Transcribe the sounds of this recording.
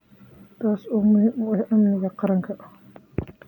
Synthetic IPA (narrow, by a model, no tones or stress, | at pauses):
t̪ʰaːsuːmʊhɪmwɛħʔɐmnɪɣɐqɑɾɐŋkʰɐʔ